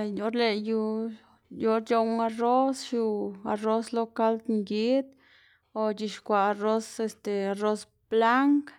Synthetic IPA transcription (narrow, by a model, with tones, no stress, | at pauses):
jo˧˦ɾle˧ju˧ | jo˧ɾt͡ʃo˧ŋa˧ro˦sʃu˧a˧ɾo˦slo˦ka˦ld̪ŋɡi˦d̪ | o˨d͡ʒi˧ʃkʷa˨a˧ɾo˦se˧st̪e˨a˨ɾo˦s | b̥la˦ŋk